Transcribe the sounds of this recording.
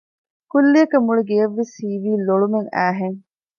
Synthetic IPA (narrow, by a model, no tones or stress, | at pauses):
kulːiɐkɐmuɭeɡejɐʋːesiːʋiːloɭumeŋæːɦeŋ